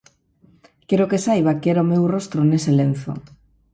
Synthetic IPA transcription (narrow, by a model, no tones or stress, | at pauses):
kɛɾokesajβ̞akɛɾomewrɔst̪ɾoneselen̟θo̰